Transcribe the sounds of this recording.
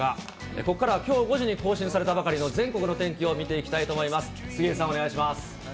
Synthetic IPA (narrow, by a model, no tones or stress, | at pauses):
a | ḛko̞kːaɾaβkʲo̞ːɡo̞ʑiɲ̟iko̞ːɕĩɰ̃saɾe̞t̪abakaɾʲino̞zẽ̞ŋko̞kɯno̞t̪ẽ̞ŋkʲio̞mʲit̪e̞ikʲi̥t̪ait̪o̞ːmo̞imasɨ̥sɨɡʲiːsãneaiɕimasɨ̥